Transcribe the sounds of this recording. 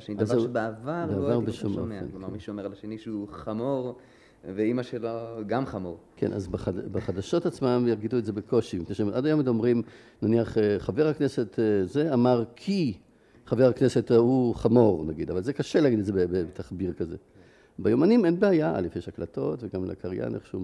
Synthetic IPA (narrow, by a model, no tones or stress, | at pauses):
ʃenid̪zbeavaʁbeavaʁbeʃommeaḛklomamiʃuomeʁlaʃeniʃeuχamoʁ | veimaʃeloɡamχamo̞ʁkʰḛnʔa̰zbaχadbeχad̪aʃo̞tat͡smamjaʁɡid̪uetzebekʰo̞ʃimkneʃeʔadajomid̪omʁim | naniaχeχaveʁhaknese̞tzeamaʁkʰi | χaveʁaknesetauχamo̞ʁnaɡid̪avalzekaʃelaɡid̪etzebebebt̪aχbiʁkazḛ | bajomanimenbeajaa̰lefjeʃaklato̞tveɡamla̰kaʁja̰nʔeχʃeu